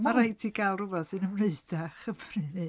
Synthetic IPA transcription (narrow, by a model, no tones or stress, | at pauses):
maɾajtʰiɡalˠrʊvɔsɨnəmneɨd̥aχəbrini